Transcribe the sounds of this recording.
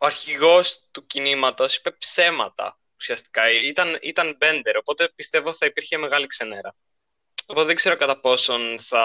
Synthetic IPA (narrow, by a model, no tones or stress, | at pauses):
oɐɾçiɣo̞st̪ucinimɐt̪o̞si̥pe̞pse̞mɐt̪ɐ̰ | usiɐst̪i̥kɐit̪ɐnḭt̪ɐnbe̞nd̪e̞ɾo̞po̞t̪e̞pist̪e̞vo̞θɐipiɾçe̞me̞ɣɐlikseneɾɐ | opot̪ðeɡze̞ɾo̞kɐt̪ɐpo̞so̞nθɐ